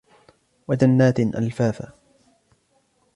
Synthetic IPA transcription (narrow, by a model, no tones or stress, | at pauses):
wad͡ʒanːaːt̪nʔa̰lfaːfa̰